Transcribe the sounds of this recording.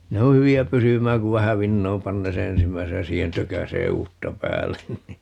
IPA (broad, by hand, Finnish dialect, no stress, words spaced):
ne o hyʋiæ pysymæːŋ ku ʋæhæ ʋinːoːm pɑnːeː se ensimːæisej jɑ siːhen tøkæseː uːtːɑ pæːlːen ni